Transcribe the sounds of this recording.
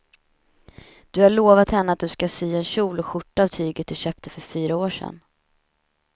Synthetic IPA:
d̪̥ɵhaɭoːvat̪hɛnːəat̪̚d̪ɵskasyːɛnɕuːlɔɧʊʈːaavt̪ʰyːɡət̪̚d̪ɵɕœːp̚t̪ʰəfœɾfyːɾaoːʂɛ̰nː

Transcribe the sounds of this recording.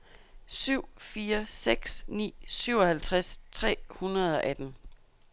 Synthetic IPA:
syʊ̰fiːɐseɡ̥snḭːsyʊɒ̽hælt͡sʰʁast͡sʰʁɛ̰ːhunɐð̞̩ˠɒ̽ʔæd̥n̩

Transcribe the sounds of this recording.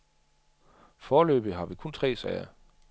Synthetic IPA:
fɒːlø̰ːb̥ð̩ˠɦɑ̈ʋikʰɔ̽nt͡sʰʁɛ̰ːsɛɪɐ

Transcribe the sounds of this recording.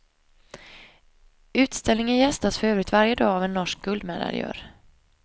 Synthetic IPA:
ʉ̟ːt̪st̪ɛlnɪŋənjɛst̪asfœɾøːvɾɪkt̪vaɾjəd̪ɑːavɛnːɔʂk̚ɡ̥ɵld̪mɛ̰ːd̪a̰ɾɪ̰jœ̰ːɾ

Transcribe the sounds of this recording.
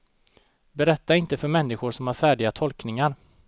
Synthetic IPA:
bɛɾɛt̪ːaɪnt̪əfœɾmɛnːɪɧʊʂɔmhaɾfæːɖɪɡat̪ʰɔlknɪŋaɾ

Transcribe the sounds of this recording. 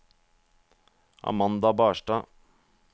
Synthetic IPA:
ɑ̰mɑnd̪ɑbaːʂʈɑː

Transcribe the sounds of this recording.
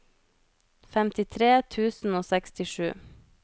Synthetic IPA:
fɛmt̪ɪt̪ʰɾeːt̪ʰʉːsn̩oːsɛkst̪ɪʃʉ̰ː

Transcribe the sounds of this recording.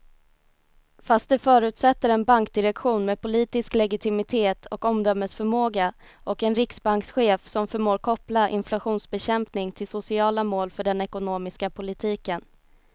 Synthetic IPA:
fast̪̚d̪ɵfœːɾʉ̟ːt̪sɛt̪ːəɾɛnbaŋk̚d̪ɪɾɛkɧuːnmeːpʊliːt̪ɪsklɛɡɪt̪ʰɪmɪt̪ʰeːt̪ʰɔkɔmd̪œmːəsfœɾmoːɡa | ʔɔkɛnɾɪksbaŋksɧeːfsɔmfœɾmoːɾkʰɔplaʔɪ̰nflaɧuːnsbɛɕɛmpnɪŋt̪ʰɪlsʊsɪɑːlamoːlfœɖɛnɛkʊnoːmɪskapʰʊlɪt̪ʰiːkən

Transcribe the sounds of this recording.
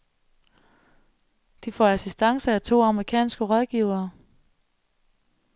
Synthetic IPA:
d̥ifɒ̰ːæsisd̥ɑ̈ŋsɐæt͡sʰo̝̰ːɑ̈məʁikʰɛ̰ːnsɡ̥əʁɒð̞ˠɡ̥iːʊ̰ɐː

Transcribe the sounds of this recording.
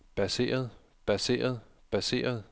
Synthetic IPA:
b̥æse̝̰ːɐð̞̩ˠ | b̥æse̝̰ːɐð̞̩ˠ | b̥æse̝̰ːɐð̞̩ˠ

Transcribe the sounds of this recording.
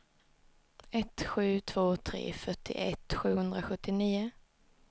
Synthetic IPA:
ɛt̪ɧʉ̟ːt̪ʰv̥oːt̪ʰɾḛːfœʈːɪ̰ʔɛ̰t̪ːɧʉ̟ːhɵnd̪ɾaɧɵt̪ːɪniːʊ

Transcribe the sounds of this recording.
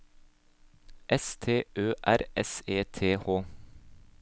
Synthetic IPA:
ʔɛst̪ʰeːʔøːʔæɾɛseːt̪ʰeːhoː

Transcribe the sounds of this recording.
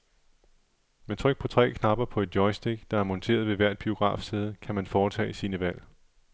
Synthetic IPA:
met͡sʰʁœɡ̥̚pʰɒ̽t͡sʰʁɛ̰ːkʰnɑ̈b̥ɐpʰɒ̽e̝d̥jɒɪsd̥eɡ̥d̥ɑ̈æɐmɒnt͡sʰe̝̰ːɐð̞ˠʋe̝ʋæɐ̰d̥̚b̥io̝ɡ̥ʁɑ̰̈ːfse̝ːð̞ˠəkʰæmænfɒːt͡sʰɛ̰ːisiːnəʋæl̰

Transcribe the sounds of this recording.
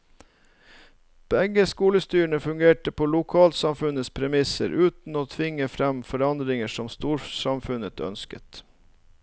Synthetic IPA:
b̥ɛɡəskuːləst̪yːɳəfʉŋɡeːʈəpʰoːlʊkʰɑːlt̪sɑmfʉnəspʰɾɛmɪsə̰ɾʔʉːt̪n̩oːt̪ʰʋɪŋːəfɾæmfɔɾɑnd̪ɾɪŋəʂɔmst̪uːɾsɑmfʉnət̪ʰœ̰nskə̰t̪

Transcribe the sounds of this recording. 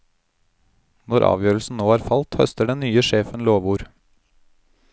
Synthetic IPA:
nɔɾʔɑ̰ːʋjøːɾlsn̩noːæːɾfɑlt̪hœst̪əɖɛnnyːəʃeːfənloːʋuːɾ

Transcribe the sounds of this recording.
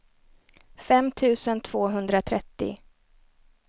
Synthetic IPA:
fɛmt̪ʰʉ̟ːsənt̪ʰv̥oːɦɵnd̪ɾat̪ʰɾɛt̪ːɪ̰

